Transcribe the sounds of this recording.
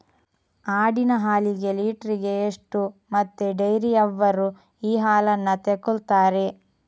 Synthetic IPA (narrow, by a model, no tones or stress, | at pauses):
aːɽinɐɦaːliɡe̞liːʈɐɾiɡe̞ːʂʈumɐt̪ːeɖɐjɾijɐʋːɐɾu | iːɦaːlɐnːɐt̪ekult̪aːɾe̞